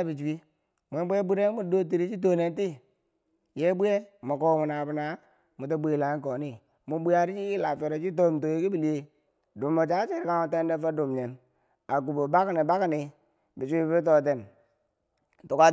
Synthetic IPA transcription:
bi˨t͡ʃwi˦ | mʷ˨e˦bʷe˦bu˦ɾe˦mu˦do˦t̬i˨ɾi˦t͡ʃi˦t̬o˨ne˨nti˦ | je˦bu˦e˦mo˨ko˦mu˨na˨bu˨na˨˦ | mu˨t̬a˦bʷe˨la˨i˦ko˨ni˦ | mu˨˦bi˦a˨ɾi˦t͡ʃi˦la˨fe˨ɾo˨t͡ʃi˦t̬o˦˨mto˨je˦ki˦bi˨li˨˦e˦ | du˨mːo˨t͡ʃa˦t͡ʃe˦˨ɾi˨ka˦mo˨te˦nde˦fa˦du˨mɲe˨n | a˨ɡu˨bo˨ba˦kni˨ba˦kni˨ | bi˨t͡ʃi˦t̬o˦˨te˨n˨ | tu˨ka˦

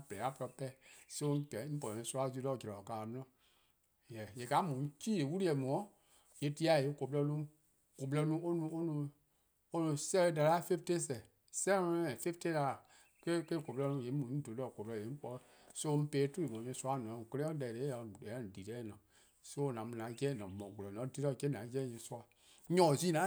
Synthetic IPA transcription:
b̥ɛ˨a˦pɔ˧ɾɔ˧pɛ˦˨so˧˦˧ɡɛ̃˨˦pɔ˨ɛ̃˧˦su˦˧a˦zi˧˦lɔ˧˨d͡ʒɛ˨ɾɔ˨ɔ˨kaː˨mũ˦ɔ̃˦˨ | jɛ˨je˨ka˨˦mũ˨˦t͡ʃiː˦e˨˦wu˦ɾi˦ɛ˨mɔ̃˨˦ | je˨˦ti˦a˨e˨˦ko˨p̬lɔ˧nũ˦ | ko˨p̬lɛ˧nũ˦o˦nũ˧˦o˦nũ˧˦ | o˦nũ˧sɛ˧˦ɛ˧˦da˧la˦fe˦fte˦s̬ɛ˨ | sɛ̃˦ɛ̃˨fe˦fte˦la˧˨ | ke˦ke˦ko˨plɔ˧nũ˧˦˨je˨˦mũ˨˦ĩ˦do˨˦ɔ˧˨ko˨plɔ˧˨je˨˦ŋ̩˦k͡pɔ˧˦ | sõ˦˧˦peː˨˦tu˦i˨õ˨ɲɛ̃˧˦su˦a˦˨nɔ̃˨ke˧le˦ɔ̃˦ɛ˨ɾe˨˦ja˨ɛ̃˨˦n˨di˨tɛ˦nɔ̃˨ | so˦˨nã˨˦mũ˧nã˨˦ɡɛ˦˨nɔ̃˨mɔ̃˨ɡo˨lɔ˨nɔ̃˨˦di˨˦ɾɔ˧˨kɛ˦nã˨˦ɡɛ˦ɲɛ̃˨˧˦su˦a˧˨ | ɲɔ̃˨zi˦nã˨˦

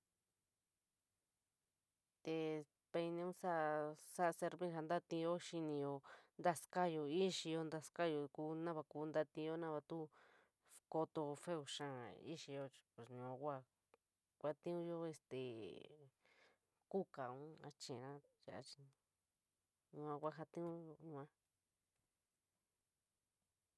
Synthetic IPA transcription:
t̪e˧ | pe˧nĩ˧ũ˦sa˦ʔsa˦ʔse˧ɾβĩ˦ɦa˧nd̪a˦t̪ĩ˧jo˦ʃi˧nĩ˧jo˧nd̪a˦ska˦jo˧i˦ʃi˧jo˧nd̪a˧ska˦jo˧ku˦nã˦βa˧ku˧˦nd̪a˧t̪ĩ˧jo˦nã˦βa˧t̪u˦ | ko˧t̪o˧fe˦u˧˨ʃã˦ḭ˦ʃi˧jo˧t͡ʃpe˨sɲũ˨ã˧kʷa˦˧ | kʷa˧t̪ĩ˦ũ˦jo˦e˧st̪ḛ˨ | ku˦ka˨ũ˦a̰˧t͡ʃẽ˨nã˦ja̰˨ʔa̰˧t͡ʃi˧ | ɲũ˧ã˧kʷa˦˧ɦa˧t̪ĩ˦ũ˦jo˧ɲũ˧ã˦

